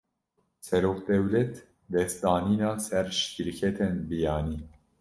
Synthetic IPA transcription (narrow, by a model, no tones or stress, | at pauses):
sɛɾoːqd̪ɛwlɛt̪ | d̪ɛst̪d̪ɑːniːnɑːsɛɾʃkiɾkʰɛt̪ʰenbijɑːniː